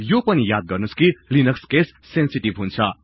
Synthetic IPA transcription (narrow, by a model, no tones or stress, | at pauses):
jopʌnijad̪̚ɡʌrnuskilinʌkskesːensiʈibɦunt͡sʰʌ